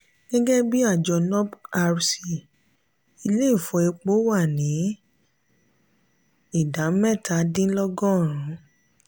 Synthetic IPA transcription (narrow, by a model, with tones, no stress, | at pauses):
ɡ̥ɛ˦ɡɛ˦bi˦a˦˨d͡ʒɔ˧nɔ˦ba˧ɾsi˧ | i˧le˦i˦˨fɔ˧e˧k͡po˦wa˦˨nĩ˨˦ | i˦˨da˨˦m̩˦mɛ˦˨tʰa˧˦dĩ˦lɔ˦ɡɔ̃˦˨ɾ̃ũ˨˦